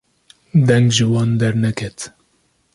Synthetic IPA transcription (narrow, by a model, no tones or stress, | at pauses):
d̪ɛŋɡʒɨwɑːnd̪ɛɾnɛkʰɛt̪